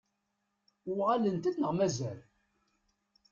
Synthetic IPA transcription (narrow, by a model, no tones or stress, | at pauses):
ʊʁalənt̪æθnəʁmæzæl